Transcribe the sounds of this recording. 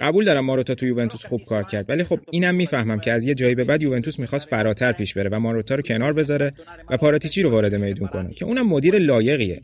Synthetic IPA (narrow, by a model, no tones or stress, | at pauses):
ɢæbuːld̪ɒːɾæmːɒːɾot̪ʰɒːt̪ʰujuve̞nt̪ʰusχub̥̚kʰɒːɾcʰæɾd̪vælixo̞b̚iːnæmːiːfæhmæmcʰeæzje̞d͡ʒɒːjibe̞bæd̪juve̞nt̪ʰusmixɒːst̪fæɾɒːt̪ʰæɾpʰiːʃbe̞ɾe̞væmɒːɾot̪ʰɒːɾocʰe̞nɒːɾbe̞zɒɾe̞ | væpʰɒːɾɒt̪ʰiːt͡ʃʰiːɾovɒːɾe̞d̪e̞me̞jd̪unkʰo̞nḛcʰe̞ʔuːnæmːo̞d̪iːɾelɒːje̞ɣiḛ